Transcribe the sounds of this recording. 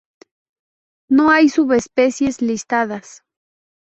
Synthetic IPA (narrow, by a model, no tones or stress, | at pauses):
noajsʊβespesjeslist̪aðas